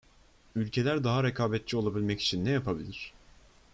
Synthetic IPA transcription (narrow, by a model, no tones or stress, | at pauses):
ylʲcʰe̞lʲæɾd̪aɦaɾekʰaːbɛt̪̚t͡ʃʰio̞lˠabilʲmɛci̥t͡ʃʰinːɛjapʰabilʲiɾ̥